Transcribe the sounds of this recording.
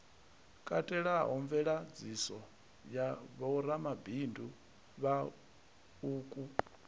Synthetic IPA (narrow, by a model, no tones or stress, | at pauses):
kʼatʼɛɺaɦɔɱvɛɺad͡zisɔ | jaβɔuɾamabʱindu | βa | uːkʼu